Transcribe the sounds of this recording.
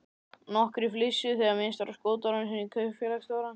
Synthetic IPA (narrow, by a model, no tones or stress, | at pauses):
nɔhkɾiflɪsːɪθɛɣaɾmɪnst̪vaɾaskoːwt̪aɾanːsɛnːikʰœɥfjɛlakst̪oːwɾan